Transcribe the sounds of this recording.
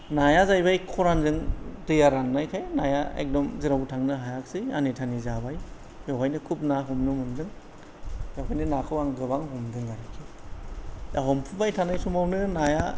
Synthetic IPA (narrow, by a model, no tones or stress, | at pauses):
najazajbajkʰɔɾanzɯŋdɯjaɾanːajkʰajnajaḛk̚dɔmziɾawtʰaŋnɯɦajak̚sia̰nitʰanizabaj | jawɦajnɯkʰup̚naɦumnɯmɯndɯŋ | jawɦajnɯnakʰɯwaŋɡɯbaŋɦɔmdɯŋaɾikʰi | jaɦɔmpʰubajtʰanajsumawnɯnaja